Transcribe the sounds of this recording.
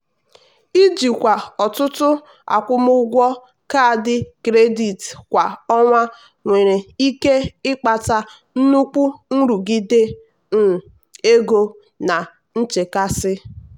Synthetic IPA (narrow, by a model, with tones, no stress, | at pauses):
i˦d͡ʒi˨kʷa˨ɔ˨tʊ˦tʊ˦ | a̰˨kʷʊ˦mʊ˦ɡʷɔ˦ | ka˦˨dɪ˦kɾe˦di˨tkʷa˨ɔ˦ŋʷa˦ | ŋʷe˨ɾe˨i˦ke˦ɪ˦k͡pa˨ta˨ | n̩˦nu˦k͡pu˦n̩˦ɾu˨ɡi˦de˦ | n̩˨ | e˦ɡo˦ | na˨ | n̩˦t͡ʃe˨ka˦sɪ˦